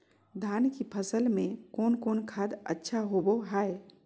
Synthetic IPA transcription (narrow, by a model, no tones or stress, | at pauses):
d̪ʱaːnkipʰəsəlmẽkɔːnkoːnkʰaːd̪ə̰tːʃʰaɦoboɦaːe